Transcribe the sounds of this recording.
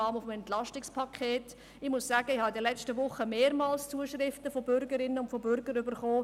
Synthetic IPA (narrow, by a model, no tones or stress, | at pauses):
ɑːmʊfm̩ɛntlɑʃtɪkspʰɑkʰeːt | ɪmʊssæːɡ̥əɪhɑɪdəlɛt͡stəʋʊχːəmeːɾmɑːlst͡suəʃrɪftəfobʏɾɡəɾɪnəʊntfobʏɾɡəɾʏbəɾχoː